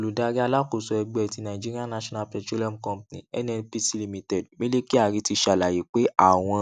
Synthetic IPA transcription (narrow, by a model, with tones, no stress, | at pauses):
o˨lu˨da˧ɾi˦a˧la˦ko˨sɔ˨˧ɛ˧ɡ͡bɛ˨ti˨˧nã˨i˨d͡ʒi˦ɾi˦a˦na˦ʃɔ̃˦na˧pɛ˨tu˦lɔ˦mkɔ̃˦mpnḭ̃˨ɛ̰˦nɛ˦˧pi˦si˦li˧˦mĩ˧tɛ˨dmĩ˦le˦ki˦a˦˨ɾi˨˧ti˧ʃa˨la˨ji˨˦k͡pe˨˦ʔa˦˨w̃ɔ̃˧